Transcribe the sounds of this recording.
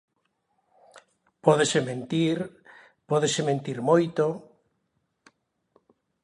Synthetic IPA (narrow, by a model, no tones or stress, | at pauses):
pɔðesemẽnt̪iɾ | pɔðesemẽnt̪iɾmojt̪o